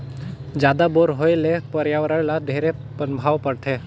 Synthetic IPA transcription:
d͡ʒjaːd̪aboːɾɦoelepəɾjaʋəɾəɽlad̪ʱeːɾepənbʱaːʋpəɾt̪ʰeː

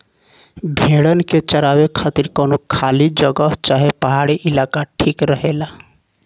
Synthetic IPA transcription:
bʱeɽənket͡ʃəɾawekʰat̪iɾkɔnokʰalid͡ʒəɡəɦt͡ʃaɦepəɦaɽiʔɪlakaʈʰiːkɾəɦela

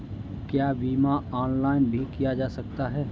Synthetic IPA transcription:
kjaːbiːmaɔːnlaːɪnbʱikijad͡ʒaːsɐkt̪aɦɛː

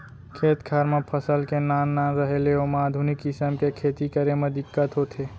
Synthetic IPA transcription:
kʰeːt̪kʰaɾmepʰəsəlkenanːaːnɾəɦeleomaːd̪ʱʊnɪkːɪsəmkekʰeːt̪ikəɾemẽd̪ɪkːət̪ɦot̪ʰeː

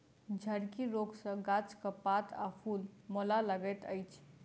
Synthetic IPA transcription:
d͡ʒʱəɾkiɾoɡsə̃ɡat͡ʃkəpat̪ʰapʰulmolaləɡet̪əjt͡ʃʰ

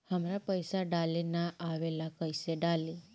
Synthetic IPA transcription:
həmɾapəjsaɖalenaʔːʋelakəjseɖali

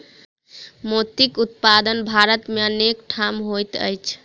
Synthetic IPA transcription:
mot̪ikut̪̚pad̪ənbʱaɾət̪meənekʈʰamɦojt̪ə̰jt͡ʃʰ

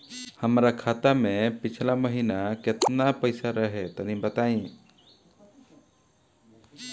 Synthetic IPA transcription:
həmɾakʰaːt̪amẽpɪt͡ʃʰlaməɦinakɪt̪napəjsaɾəɦet̪ənĩbət̪aĩ

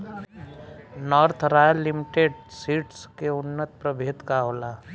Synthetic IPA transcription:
nɔːɾt̪ʰɾaːjəlːimɪʈeːɖsiːʈskeʊnːət̪̚pɾəbʱeːt̪kaɦoːlaː

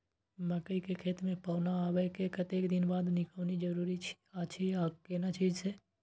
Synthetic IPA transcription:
məkəikekʰeːt̪mẽpaːʊnaaːwɛkekət̪eːkd̪ɪnbaːd̪nɪkəːnid͡ʒəɾuːɾit͡ʃʰi̥ | at͡ʃʰiakenat͡ʃiːd͡ʒse

